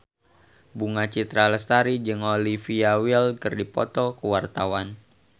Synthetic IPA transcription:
buŋat͡ʃit̪ɾaləst̪aɾid͡ʒɨŋolifiawilkərdipɔ̰t̪ɔkəwart̪awan

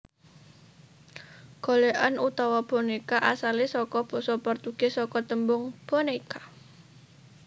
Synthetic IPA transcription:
ɡ̥o̤leʔanut̪awɔb̥ɔ̤nekaʔasalesɔkɔb̥ɔsɔpərt̪uɡ̥esɔkɔt̪əmbʊŋb̥onekḁ

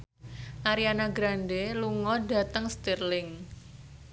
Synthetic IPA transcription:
ʔaɾianaɡɾanɖeluŋɔɖa̤t̪əŋst̪irlɪŋ

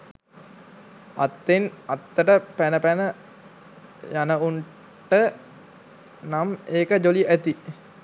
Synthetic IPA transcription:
a̰t̪ːenat̪ːəʈəpænəpænə | janəuɳ | ʈə | nameːkəd͡ʒoliʔæt̪i

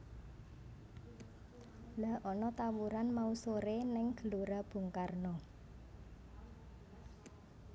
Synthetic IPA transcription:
laʔɔnɔt̪awuɾanmausoɾenɛŋɡ̥ə̤luɾab̥ṳŋkarnɔ

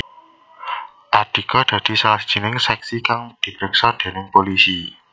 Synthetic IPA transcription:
ʔad̪̥i̤kɔd̥ä̤d̪̥i̤salasd̥ʒ̥i̤nɪŋsɛksikaŋd̪̥i̤bɾəksɔd̪̥e̤nɪŋpolisi

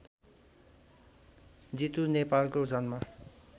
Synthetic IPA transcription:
d͡zit̪unepalkod͡zʌnma

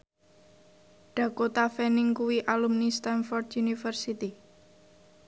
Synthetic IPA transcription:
ɖ̥ä̤kot̪afɛnɪŋkuwiʔalumnist̪ɛnfɔrd̪junifərsit̪i

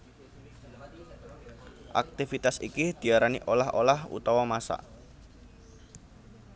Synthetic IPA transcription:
ʔa̰k̚t̪ifit̪asḭkid̪̥i̤aɾaniʔolaɦolahṵt̪ɔwɔmasa̰ʔ

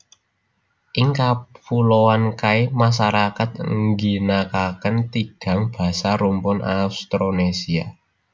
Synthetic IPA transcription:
ʔɪŋkapulowankaimas̬aɾakat̪̚ŋɡinakakənt̪iɡ̥ä̤ŋb̥a̤saɾumpʊnaust̪ɾonesia̰

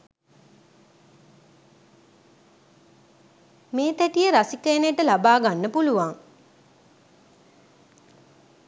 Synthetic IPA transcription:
meːt̪æʈijəɾasikəjnejʈəlabaːɡanːəpuluʋaŋ

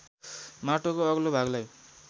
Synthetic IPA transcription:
maʈokoʌɡlobʱaɡlaj

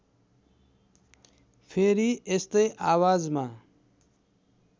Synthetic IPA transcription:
pʰeɾiest̪ʌjʔawad͡zma

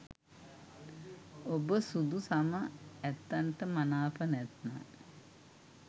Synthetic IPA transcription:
obəsud̪usaməɛt̪ːanʈəmanaːpənɛt̪na̰

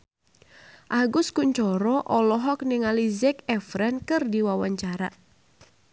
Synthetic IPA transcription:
ʔaɡʊskuɲt͡ʃɔɾɔʔɔlɔɦɔk̚nɛŋalizɛkɛfɾankɨrdiwawaɲt͡ʃaɾa

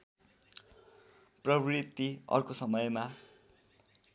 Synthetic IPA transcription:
prʌbrit̪iʌ̰rkosʌmʌjma

